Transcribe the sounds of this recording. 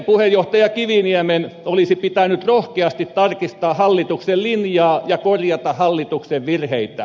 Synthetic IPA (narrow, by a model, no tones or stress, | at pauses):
puhejoht̪ɑjɑkiʋiniæmenolisipit̪ænyt̪rohkeɑst̪it̪tɑrkist̪ɑːhɑlːit̪uksellinjɑːjɑkorjɑt̪ɑhɑlːit̪ukseʋʋirheit̪æ̰